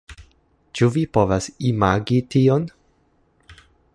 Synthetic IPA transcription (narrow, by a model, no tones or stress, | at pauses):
t͡ʃuvipo̞vasimaɡition